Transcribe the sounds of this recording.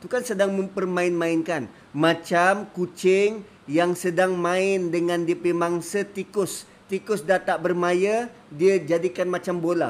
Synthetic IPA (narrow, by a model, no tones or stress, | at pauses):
t̪ukansədaŋmə̃mpərmãɪnmaɪnkan | mat͡ʃamkut͡ʃɪŋ | jaŋsədaŋmãɪndəŋandiəpimaŋsət̪ikʊs | t̪ikʊsdat̪aʔbərmajə | diəd͡ʒadikanmat͡ʃambola̰